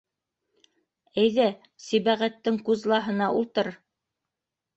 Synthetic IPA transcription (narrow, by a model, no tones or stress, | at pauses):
æjðæ | siβæʁæt̪ːɘŋkʉzlˠɑɦɤ̆nɑʔulˠt̪ɤɾ